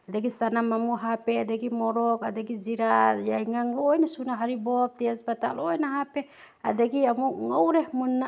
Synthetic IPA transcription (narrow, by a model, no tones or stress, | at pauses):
adɛɡisanamamuɦapɛadɛɡimɔɾɔkadɛɡid͡ʒiɾajaiŋaŋlɔjnasunaɦaɾibɔp̚t̪iasbat̪aʔlɔjnaɦapɛ | a̰dɛɡiamuŋowɾɛhmunːa